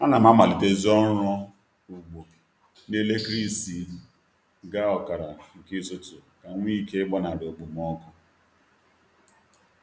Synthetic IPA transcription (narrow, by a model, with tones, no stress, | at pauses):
ɔ˦na˨m˦a˦ma˨li˨te˦zɔ˦ɾɔ˦ | u˨ɡ͡bo˨ | ne˦le˦kɾi˦si˨ | ɡa˦ɔ˨ka˨ɾa˨ŋ̩˨ki˦sʊ˦tʊ˨ka˨ŋʷ˦i˦ke˦bɔ˦na˨ɾe˨o˨ɡ͡bu˨m˨ɔ˦kɔ˦